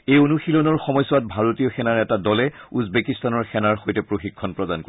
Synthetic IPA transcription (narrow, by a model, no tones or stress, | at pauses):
ejonuxilɔnɔɹxɔmɔjsɔwat̚bʱaɹotiɔxɛnaɹɛtadɔlɛuzbekistanɔɹxɛnaɹxojtɛpɹoxikʰːɔnpɹɔdanko